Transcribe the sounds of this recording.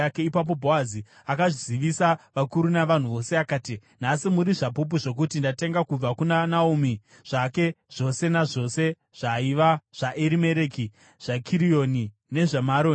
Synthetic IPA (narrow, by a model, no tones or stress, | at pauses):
ake̞ipap̬o̞bʱo̞azi | akaʐiziʋisaʋakuɾunaʋan̤uʋo̞se̞akaːti | n̤asimuɾiʐapup̬uʐo̞k̬utindate̞ŋɡakub͡vakunanaumi | ʐ̥ake̞ | ʐ̥o̞se̞naʐo̞se̞ | ʐ̥aiʋaʐ̥aʔeɾime̞ɾe̞ki | ʐ̥akʰiɾijoni | ne̞ʐamaɾoːn